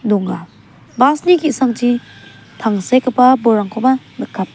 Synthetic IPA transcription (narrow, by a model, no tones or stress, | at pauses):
duŋɡa | basnikisaŋti | tʰaŋsekapabɔɾaŋkʰɔma | nɯkʰːap̚